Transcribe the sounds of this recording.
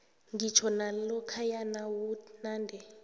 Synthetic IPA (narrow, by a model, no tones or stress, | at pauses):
ŋɡit͡ʃʰɔnalɔkʰajanawunaːndʱɛ